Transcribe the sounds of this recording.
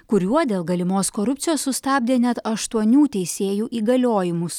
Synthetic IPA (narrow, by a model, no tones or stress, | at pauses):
kʊɾʲuɔd̪ʲeːlˠɡɐlʲɪmoːskoːɾʊpʲt͡ssʲɪjoːsːʊst̪ɑːbʲd̪ʲeːnʲɛt̪ɐʃt̪uɔnʲuːt̪ʲɛɪsʲeːjuːʔiːɡɐlʲoːjɪmʊs